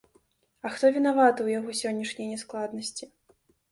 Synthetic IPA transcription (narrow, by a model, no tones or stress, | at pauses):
ɐxt̪ɔvʲinavat̪ɐwjaɣɔsʲɔnʲːɐʂnʲɐjnʲɛsklˠad̪nɐsʲt͡sʲi